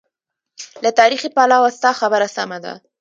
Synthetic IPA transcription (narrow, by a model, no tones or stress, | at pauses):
lat̪ɑɾixipalawast̪ɑxabəɾasamad̪a̰